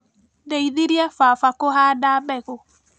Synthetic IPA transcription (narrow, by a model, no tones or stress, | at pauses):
deiðiɾjɛfafakoɦadabɛɣo